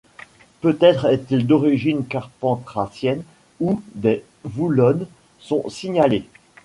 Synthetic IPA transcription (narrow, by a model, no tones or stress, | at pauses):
pøt̪ɛt̪χɛt̪ild̪ɔʁiʒinkaʁpɑ̃t̪χasjɛn | ud̪ɛ | vulɔn | sɔ̃siɲale